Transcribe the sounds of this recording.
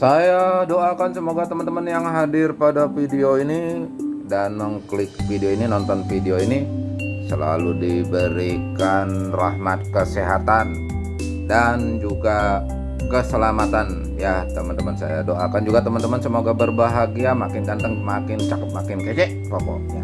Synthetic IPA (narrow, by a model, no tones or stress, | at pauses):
sajadoakansəmoɡat̪əmənt̪əmənjaŋɦadɪrpadafideoinidanməŋklɪkfideoininɔnt̪ɔnfideoinisəla̰ludibəɾikanrahmat̪̚kəseɦat̪an | dand͡ʒuɡa | kəsəlamat̪an | jat̪əmənt̪əmənsa̰jadoʔakand͡ʒuɡat̪əmənt̪əmənsəmoɡabərbaɦaɡiamakɪnɡant̪əŋmakɪnt͡ʃakəp̪̚makɪnket͡ʃɛʔpokɔ̰ʔɲa